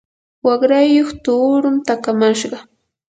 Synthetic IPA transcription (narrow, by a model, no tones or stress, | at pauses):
wɑχɾajːoχt̪uːɾʊmt̪akamaʃɢɑ